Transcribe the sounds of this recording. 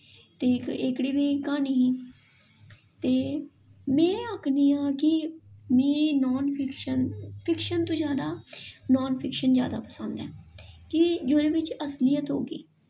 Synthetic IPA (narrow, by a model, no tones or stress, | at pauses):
t̪eːɪkɽiːʋiːkaːniː | t̪eː | mɛ̃ːəkʰniːãːkɪmĩːnɔːnpʰɪkʃənpʰɪkʃənt̪õːzjaːd̪aːnɔːnpʰɪkʃənzja̰ːd̪a̰ːpəsənd̪ɛ̰ːkɪd͡ʒoːɾẽːʋɪt͡ʃəslijət̪ɦo̰ːɡḭː